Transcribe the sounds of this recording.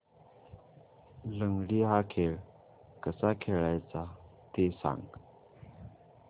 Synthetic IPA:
ləŋɡɽiɦakʰeɭ | kəsakʰeɭajt͡sa | t̪esa̰ŋɡ

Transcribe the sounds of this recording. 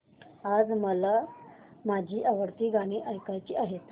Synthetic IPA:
ad͡zməla | mad͡ʑʱiːʔaʋəɽt̪iːɡaɽ̃iʔajkajt͡ɕiːaɦet̪

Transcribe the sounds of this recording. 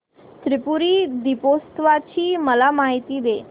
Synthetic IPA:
t̪ɾɪpuɾid̪ipost̪ʋat͡ʃʰiməlamaːɦit̪id̪eː

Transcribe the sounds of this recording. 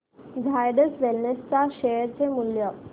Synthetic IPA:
d͡zʱajɖəsʋelnəst͡saɕejəɾt͡semuljə

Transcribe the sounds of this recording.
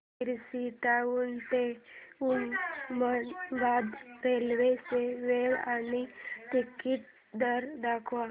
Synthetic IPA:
iɾsit̪auːnt̪eummənbad̪pelʋeseʋeʋanit̪ikit̪̚ | d̪əɾd̪akʰʋa

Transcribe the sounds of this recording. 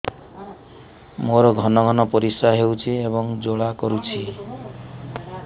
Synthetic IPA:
moɾɔɡʱɔnɔɡʱɔnɔpɔɾisaɦewt͡ʃʰiebɔŋd͡ʒoɭakɔɾut͡ʃʰi

